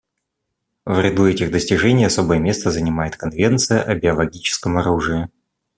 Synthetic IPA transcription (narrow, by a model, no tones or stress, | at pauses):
vɾʲɪd̪uɛtʲɪɣd̪əsʲtʲɪʐɛnʲɪjɐso̞bəjəmʲest̪əzənʲɪmajɪt̪kɐnvʲe̞nt̪sɨjəʔɐbʲɪɐlˠɐɡʲit͡ɕɪ̥skəmɐɾuʐɨɪ